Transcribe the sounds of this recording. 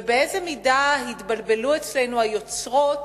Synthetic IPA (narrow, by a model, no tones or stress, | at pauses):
beezemidahit̪balbe̞luet͡slenuajo̞t͡sʁo̞t